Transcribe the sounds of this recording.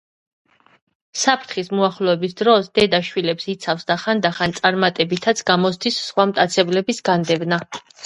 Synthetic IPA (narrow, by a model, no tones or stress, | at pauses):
sapʰɾt̪ʰχismuaχlɔɛbisd̪ɾɔsd̪ɛd̪aʃwilɛpsit̪sʰafsd̪aχand̪aχant̪sʼaɾmat̪ʼɛbit̪ʰat̪sʰɡamɔsd̪isːχwamt̪ʼat̪sʰɛblɛbisɡand̪ɛvna